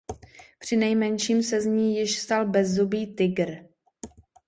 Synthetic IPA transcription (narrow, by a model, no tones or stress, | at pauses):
pr̝̥ɪnɛjmɛnʃiːmsɛzɲiːjɪʃst̪albɛzːubiːt̪ɪɡɾ